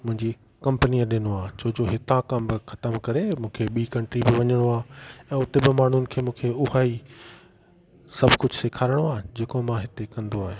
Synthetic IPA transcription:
mʊ̃ɦɪ̃ɲd͡ʑi | kɐ̃mpəniaɗɪnoaːt͡ɕoɦd͡ʑoɦɪt̪ãkɐ̃mbɪxɐ̥t̪əmkɐɾemũːkʰeɓiːkɐ̃ɳʈɾibɪʋɐɲəɽ̃oaːɛ̃ːʊt̪ebɪmaːɳ̤ʊnɪ̆kʰeːmũːkʰeʊɦaːi | sɐbʱkʊd͡ʑʱseːkʰaːɾɪɽ̃oaːɦed͡ʑeːkomãɦɪt̪ekɐ̃nd̪oaːɦe

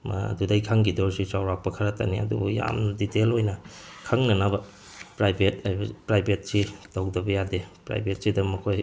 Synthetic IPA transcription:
ma̰dudɐjkʰaŋɡidoɾsit͡ʃawɾak̚pɐkʰɐɾɐta̰niɐ̰dṵbuja̰mnditelojnɐ | kʰaŋnɐnɐbɐ | pɾajbʱetajbɐpɾajbʱet̚sitɐwdɐbɐjadepɾa̰jbʱet̚sidɐmɐkʰoj

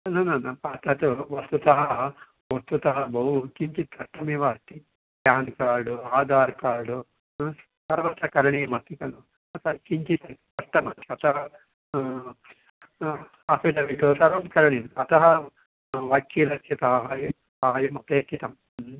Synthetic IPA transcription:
nunɐnɐpɐt̪ɐt̪uʋɐst̪ut̪ɐɦɐ | ost̪ut̪ɐɦɐbɐwkiɲt͡ʃit̪ɐʈːɐmiʋaːst̪i | pjaːnkaːɾɖuaːd̪aːɾkaːɾɽu | t̪ɐɾʋaːt̪ɐkɐɾɐɳimɐt̪ːikɐlu | ɐt̪ɐkiɲt͡ʃit̪ɐt̪ɐʈːɐmɐt̪iɐt̪ɐɦɐ | piɖɐʋiʈut̪ɐɾʋaːt̪ɐkɐɾɐɳinɐt̪ɐɦɐ | ʋɐkːiːlɐt͡ʃʰːɐt̪ɐɦɐj | paːjɐmɐpeːk̪ːit̪ɐm

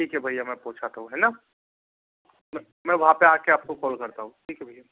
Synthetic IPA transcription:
ʈʰiːkɦɛbʱaijamɛ̃ːpoːt͡ʃʰat̪aɦũɦɛːna | mɛ̃ | mɛ̃ːʋɐɦãpeaːkeaːp̚kokɔːlkɐɾt̪aɦũʈʰiːkɛbʱaja

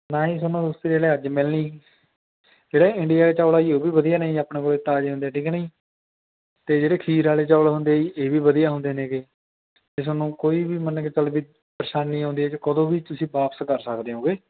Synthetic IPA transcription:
naːĩːsʊnõːd̪ʊst̪iɾeːleːəd͡ʒmɪlniː | d͡ʒeːɽaːɪɳɖɪijaːeːt͡ʃaːlaːiːoːbiːbəd̪ijaːnəĩːaːpɳeːkoːleːt̪aːd͡ʒeːɦʊ̃nd̪eːɛːʈʰiːknəĩː | t̪eːd͡ʒeːɽeːkʰiːɾaːleːt͡ʃaːlaːɦʊ̃nd̪eːiʔeːʋiːbəd̪ijaːɦʊ̃nd̪eːnẽːkeː | t̪es̬ʊnũːkoːiːbiːmənket͡ʃəlbiː | pəɾɪʃaːnːiːɦãːnd̪iːɛːt͡ʃːkəd̪õːbiːt̪ʊsĩːbaːpəskəɾsəkd̪eːõːɡeː

